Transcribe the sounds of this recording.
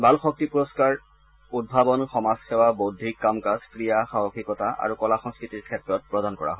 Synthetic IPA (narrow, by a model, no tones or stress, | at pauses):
bʱalxɔk̚tipuɹɔskaɹ | ud̚bʱabɔnxɔmasxɛwabodʱikːamkaskɹijaxaɦoxʰikɔtaʔa̰ɹukɔlaxɔŋskɹitiɹkʰɛtɹɔt̚pɹɔdankɔ̰ɹa̰ɦɔ